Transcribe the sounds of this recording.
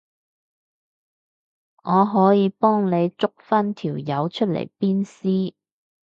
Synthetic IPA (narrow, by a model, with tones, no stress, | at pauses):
ŋɔː˨˧ɦɔː˨˥jiː˨˧pɔː˥ŋne˨˧jt͡sʊ˥k̚fɐ˥nt̪ʰiː˨˩wjɐ˨˧wt͡ʃʰɵ˥t̚lḛ˨˩jpiː˥nsiː˥